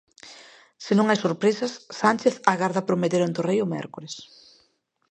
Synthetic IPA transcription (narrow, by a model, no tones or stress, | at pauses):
senõŋajsoɾpɾesasːant͡ʃeθaɣaɾðapɾomet̪eɾant̪ʊrejʊmɛ̰ɾkoɾes